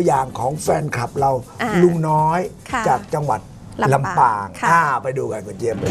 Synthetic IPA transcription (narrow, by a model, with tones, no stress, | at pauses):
jaː˨˩ŋkʰɔː˩˦ŋfɛː˧nkʰɾa˨˩p̚ɾa˧wlu˧ŋnɔː˦˥j | t͡ɕaː˨˩k̚t͡ɕa˧ŋwa̰˨˩t̪̚ | la˧mpaː˨˩ŋʔaː˧˩pa˧jduː˧ka˧nkʰo˧˩t͡ɕi˧əm˧